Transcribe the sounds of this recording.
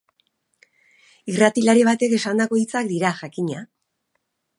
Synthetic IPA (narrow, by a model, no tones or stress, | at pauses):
irat̪ilaɾeβ̞at̪e̞ke̞sand̪ako̞it͡sak̚d̪iɾaʝakiɲa